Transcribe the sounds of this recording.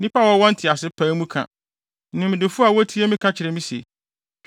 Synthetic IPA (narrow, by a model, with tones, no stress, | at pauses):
nĩ˦pa˦wɔ˦wɔ̃˦n̩˦tʰɪ˨a˨sɪ˦pʰãː˨˦mũ˦kʰã̰˨ | n̩˦nʊ̃˨m˨dɪ˨fʊ˦a˨wɔ˦tʰi˦e˦mɪ̃˦kʰã˦t͡ɕʰɪ˨ɾɪ˦mĩ˦sḛ˨